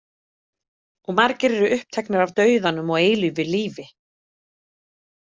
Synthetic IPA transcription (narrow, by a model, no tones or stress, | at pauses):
ɔɣmaɾcɪɾɛɾʏʏhp̚t̪ʰɛknaɾavt̪œːɥðanːʏmɔɣeːjlʏvɪliːvɪ